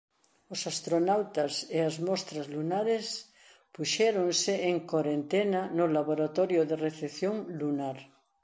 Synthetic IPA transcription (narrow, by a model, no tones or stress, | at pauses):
osast̪ɾonawt̪aseazmɔst̪ɾazlunaɾes | puʃɛɾoŋsɪeŋkoɾent̪enanʊlaβoɾat̪ɔɾjoðereθeθjoŋlunaɾ